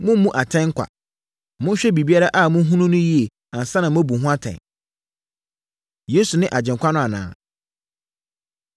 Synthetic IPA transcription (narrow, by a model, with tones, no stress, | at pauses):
mʊ̃˦m˦mːũ˦ʔa˨tʰɛ̃˦ŋ̩˦kʰʷa̰˨ | mʊ̃˦n˦ɕᶣɛ˦bi˨bi˦a˦ɾa˦ʔa˦˨mʊ̃˦ɦũ˦nʊ̃˦nʊ̃˦ji˦e˨ | ã˨n˨sã˦nã˨m˦æ˦bu˨ɦʊ̃˦a˦tʰɛ̰̃˨ | je˦su˨nɪ̃˦ʔa˨d͡ʑɪ̃˨ŋkʷʰa˦nʊ̃˦a˨nã̰ː˦˨